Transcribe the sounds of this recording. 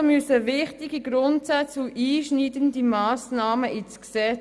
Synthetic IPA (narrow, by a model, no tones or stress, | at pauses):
mysəvɪχtiɡiɡɾʊntsat͡suʔiːʃniːdəndimaːsnaːməʔit͡sksɛ